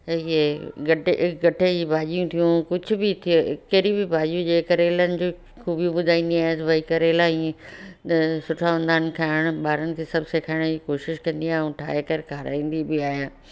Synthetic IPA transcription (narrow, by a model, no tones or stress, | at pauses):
ieɡɐʈɪɡɐʈʰed͡ʑibaːʄijũt̪ʰijũkʊd͡ʑʱʊ̆bɪt̪ʰḭkɐɾibɪbaːʄijũd͡ʑeːkəɾeːlənɪ̆d͡ʑoː | xuːbijũɓʊd̪ʱaːĩnd̪iaːɦet̪ɐbɐikɐɾeːlaːĩ | sʊʈʰaʋə̃nd̪aːnɪ̆kʰaːɪɽ̃ʊɓaːɾənɪ̆kʰeːsɐbseːkʰaːɪɽ̃d͡ʑikoːʃɪʃkɐ̃nd̪iaːɦũʈʰa̰ːekɐɾkʰaːɾa̰ːĩːnd̪ibɪaːɦjaː